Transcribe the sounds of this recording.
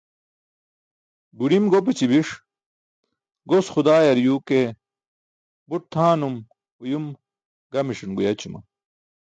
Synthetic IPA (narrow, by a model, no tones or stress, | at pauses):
buɽimɡop̬et͡ɕibiʂ | ɡosxud̪aːjɐɾjuke | buʈ̚t̪ʰaːnum | ujum | ɡɐmiʂinɡujɐt͡ɕumɐ̰